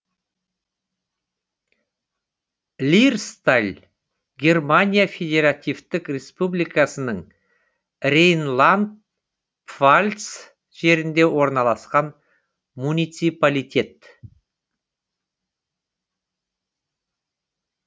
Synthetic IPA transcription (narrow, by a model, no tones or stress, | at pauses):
lʲirst̪alʲ | ɡʲe̞rmanʲijafʲe̞d̪ʲe̞ɾat̪ʲijvt̪ɪkrʲe̞spublikasənəɴ | ɾejnlˠand̪̚ | pvalʲt̪s | ʒ̥e̞ɾɪnd̪e̞wʔo̞ɾnɑlˠɑsqɑn | munijt̪sijpalʲijt̪ʲe̞t̪